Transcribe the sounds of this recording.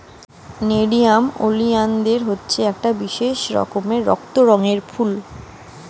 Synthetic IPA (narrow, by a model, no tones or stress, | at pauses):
neɖijamo̰liand̪eɾɦotːɕʰeɛk̚ʈabiʃeʃɾɔ̰komeɾɔ̰k̚t̪oɾɔŋeɾfʰul